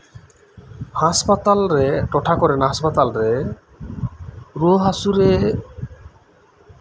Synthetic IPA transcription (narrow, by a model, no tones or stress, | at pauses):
haspat̪alɾeʈɔʈʰakɔɾɛnaɦaspat̪alɾe | ɾuɦasuɾe